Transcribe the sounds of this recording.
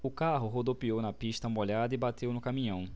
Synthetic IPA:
ʊkaɦʊɦod̪opiownɐpiʃt̪ɐmoʎad̪ɐibat̪ewnʊkamĩɲɐ̃w̃

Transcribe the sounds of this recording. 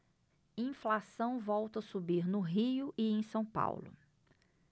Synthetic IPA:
ĩflasɐ̃w̃vɔwt̪ɐsubiɾnʊɦiʊʔɪẽj̃sɐ̃w̃pa̰wlʊ̰

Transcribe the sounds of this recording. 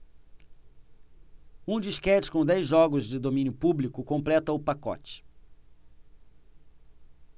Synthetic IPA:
ũd͡ʒiʃkɛt͡ʃɪ̥kõw̃d̪ɛjzʒɔɡʊzd͡ʒɪd̪omĩnjʊpublikʊkõmplɛt̪ɐʊpakɔ̰t͡ʃɪ̥

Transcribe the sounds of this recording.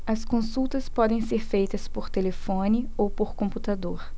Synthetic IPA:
ɐskõsuwt̪ɐspɔd̪ẽj̃seɾfejt̪ɐspoɾt̪elefõnɪowpoɾkõmput̪ad̪oɾ

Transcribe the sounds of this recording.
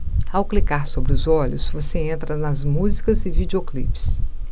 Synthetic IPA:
awklikaɾsobɾɪʊzɔʎʊsvoseẽnt̪ɾɐnɐzmuzikɐzɪvid͡ʒeoklips

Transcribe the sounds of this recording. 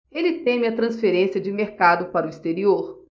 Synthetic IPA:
elɪt̪ẽmɪɐt̪ɾɐ̃sfeɾẽsiɐd͡ʒɪmeɾkad̪ʊpaɾʊist̪eɾioɾ

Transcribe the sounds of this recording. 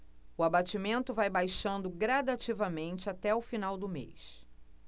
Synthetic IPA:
ʊabat͡ʃimẽnt̪ʊvajbajʃɐ̃nd̪ʊɡɾad̪at͡ʃivɐmẽnt͡ʃɪat̪ɛʊfinawd̪ʊmḛjs

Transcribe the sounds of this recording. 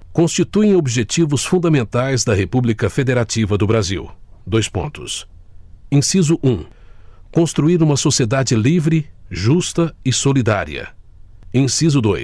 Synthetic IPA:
kõst͡ʃit̪uẽobiʒet͡ʃivʊsfũd̪ɐmẽnt̪ajzd̪ɐɦepublikɐfed̪eɾat͡ʃivɐd̪ʊbɾazḭwd̪ojspõ̰nt̪ʊ̰s | ẽsizʊʔũ | kõst̪ɾuiɾũmɐsosied̪ad͡ʒɪlivɾɪʒust̪ɐɪsolid̪a̰ɾḭɐ̰ẽsizʊd̪o̰j

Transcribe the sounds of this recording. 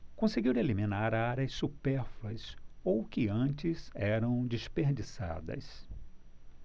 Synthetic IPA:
kõseɡiwelimĩnaɾaɾɐsːupɛɾflɐsowkɪɐ̃t͡ʃɪzɛɾɐ̃w̃d͡ʒispeɾd͡ʒisa̰d̪ɐ̰s

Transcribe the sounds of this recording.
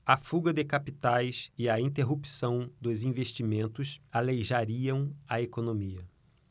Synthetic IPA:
ɐfuɡɐd̪ɪkapit̪ajsɪɐĩnt̪eɦupi̥sɐ̃w̃d̪ʊzĩveʃt͡ʃimẽnt̪ʊsalejʒaɾiɐ̃w̃ɐekonõmiɐ

